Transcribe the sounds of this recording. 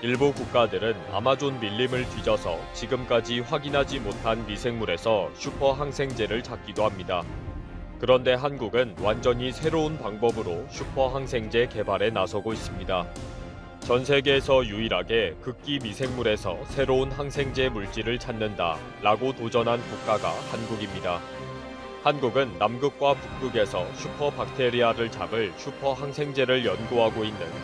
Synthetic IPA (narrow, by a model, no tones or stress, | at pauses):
iɭbukuk̚k͈adɯɾɯna̰mad͡ʑonmiʎːimɯɭtɥid͡ʑʌsʰʌt͡ɕiɡɯmk͈ad͡ʑiɸwaɡinɦad͡ʑimotʰanmisʰe̞ŋmuɾe̞sʰʌɕʰupʰʌɦaŋsʰe̞ŋd͡ʑe̞ɾɯɭt͡ɕʰak̚k͈idohamɲida | kɯɾʌnde̞ɦanɡuɡɯnwand͡ʑʌɲisʰe̞ɾounpaŋbʌbɯɾoɕʰupʰʌɦaŋsʰe̞ŋd͡ʑe̞ke̞baɾe̞nasʰʌɡois͈ɯmɲida | t͡ɕʌnsʰe̞ɡeːsʰʌjuiɾaɡe̞kɯk̚k͈imisʰe̞ŋmuɾe̞sʰʌsʰe̞ɾounɦaŋsʰe̞ŋd͡ʑe̞muɭt͡ɕ͈iɾɯɭt͡ɕʰanːɯnda̰ | ɾaɡotod͡ʑʌnɦankuk̚k͈aɡa̰hanɡuɡimɲida | hanɡuɡɯnːamɡɯk̚k͈wapuk̚t͈uɡe̞sʰʌɕʰupʰʌpak̚tʰe̞ɾiaɾɯɭt͡ɕabɯɭɕʰupʰʌɦaŋsʰe̞ŋd͡ʑe̞ɾɯɭjʌnɡoɦaɡoinːɯn